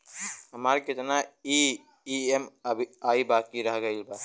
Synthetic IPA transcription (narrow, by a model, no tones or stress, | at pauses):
ɦəmaɾkɪt̪nai | iemʱaːibakiɾəɦɡəɪlba